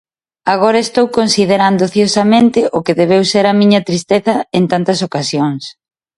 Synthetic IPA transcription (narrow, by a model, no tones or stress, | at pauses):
aɣ̞oɾɐest̪owkonsið̞eɾand̪oθjosɐmẽnt̪ɪʔʊkeðeβ̞ewseɾɐmĩɲɐt̪ɾist̪eθɐent̪ant̪ɐsokasjoŋs